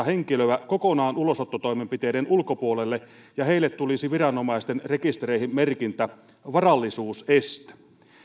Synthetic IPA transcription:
ɑheŋkiløækokonɑːnulo̞sot̪ːot̪o̞imempit̪eːdenulkopuolelːe | jɑhe̞ilːet̪t̪ulisiʋirɑnomɑist̪enre̞kist̪ereihimmerkint̪æ | ʋɑrɑlːisuːsest̪æ̥

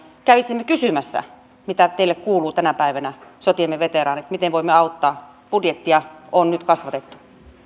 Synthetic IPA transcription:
kæʋisːimːekysymæsːæ̰ | mit̪æt̪eilːekkuːluːt̪ænæpæˑiʋænæsot̪iemːeʋet̪erɑːnet̪mit̪enʋoˑimːeɑut̪ːɑː | pudjet̪ːiɑonnyt̪kɑsʋɑt̪et̪ːu̥

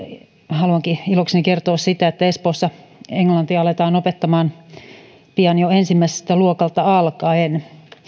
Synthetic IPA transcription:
hɑluɑŋkiiloksnekert̪oːssit̪æet̪ːæespoːsːɑeŋlɑnt̪iɑɑlet̪ɑːnopet̪ːɑmɑːn | piɑnjoensimːæise̥slt̪æluokɑlt̪ɑɑlkɑːen

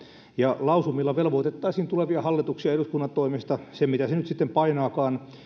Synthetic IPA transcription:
jɑlɑusumːilːɑʋelʋoit̪et̪ːɑisiːnt̪uleʋiɑhɑlːit̪uksiɑeɾuskunːɑnt̪ːoimest̪ɑsemmit̪æsenyt̪sit̪ːempɑinɑːkɑːn

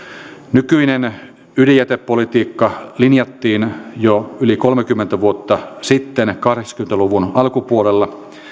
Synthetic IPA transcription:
nykyinen | ylijæt̪epːolit̪iːkːɑlinjɑt̪ːiːnjoylikolmekymːent̪æʋuot̪ːɑsit̪ːenkɑhɾeksɑ̥kyment̪æluʋunɑlkupuolelːɑ

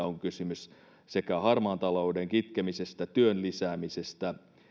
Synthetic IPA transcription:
oŋkysymys | sekæhɑrmɑːnt̪ɑloudeŋkit̪kemisest̪æt̪yønlisæːmisest̪æ

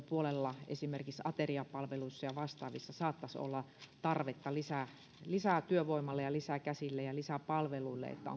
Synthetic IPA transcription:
puolelːɑḛsimerkiksɑt̪eriɑpɑlʋeluisːɑjɑʋɑst̪ɑːʋisːɑsɑːt̪ːɑso̰lːɑt̪ɑrʋet̪ːɑlisæ | lisæt̪yøʋoimɑlːejɑlisækæsilːejɑlisæpɑlʋeluilːḛḛt̪ːæ̰o̰

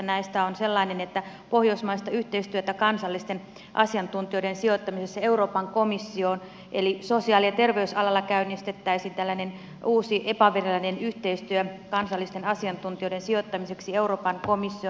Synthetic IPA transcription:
næist̪æonselːɑinenet̪ːæ | po̞hjoismɑist̪ɑyht̪eist̪yøt̪ækɑnsɑlːist̪en | ʔɑsiɑnt̪unt̪ioidensiot̪ːɑmisesːæe̞uroːpɑŋkomisːion | ʔelisosiɑːliɑt̪erʋeysɑlɑlːɑkæynːist̪et̪ːæisiːnt̪ælːænen | uːsiʔepɑʋerelːɑnenyht̪eist̪yøkɑnsɑlːist̪enɑsiɑnt̪unt̪ioidensiot̪ːɑmiseksieuro̞ːpɑŋkomisːio

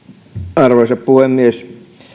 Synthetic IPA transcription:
ɑrʋoisɑppuhemːies

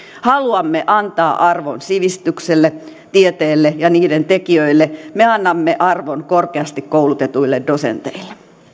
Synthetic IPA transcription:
hɑluɑmːeʔɑnt̪ɑːʔɑrʋo̰nsiʋist̪ykselːe | t̪iet̪eːlːejɑniːdent̪ekiøilːemeɑnːɑmːeʔɑrʋonkorkeɑst̪ikkowlut̪et̪uilːeddosḛnt̪ḛilːˑe̥

